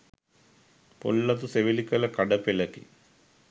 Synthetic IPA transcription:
po̰lːɐt̪̬useʋilikːɐlɐkɐɖɐpilɐkḭ

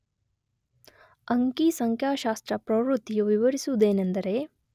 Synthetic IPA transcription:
ɐŋkisɐŋkʰjaːʃaːst̪ɾɐpɾɐʋɾut̪ːijuʋiʋɐɾisuud̪eːnɐnd̪ɐɾe

